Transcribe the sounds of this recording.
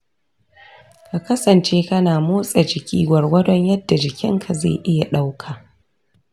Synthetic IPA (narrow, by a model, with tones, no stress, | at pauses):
ka˨kɐ˦sɐ˨nt͡ʃeː˦kɐ˦naː˨moː˦sʼɐ˨d͡ʒɪ˨kʲiː˦ɡʷɐ˨rwɐ˦dɔ˦ɲjɐ˦dːa˨d͡ʒɪ˨kʲɪ˦ŋkʰa˨zḛː˦˨ʔɪ˦ja˨ɗa˦wkʰaː˨